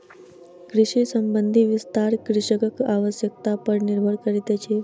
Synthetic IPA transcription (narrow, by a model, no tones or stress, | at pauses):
kɾɪʂisəmbənd̪ʱiʋist̪aɾkɾɪʂəkəkaʋəsjək̚t̪apəɾniɾbʱəɽkəɾit̪et͡ʃʰe